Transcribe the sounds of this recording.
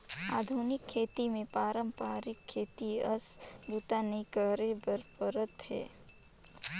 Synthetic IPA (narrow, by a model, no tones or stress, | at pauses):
aːd̪ʱunɪkʰːeːt̪imẽpaːɾəmpaːɾɪkʰːeːt̪iəsbuːt̪anɐĩkəɾebəɾpəɾət̪hɛ̰ː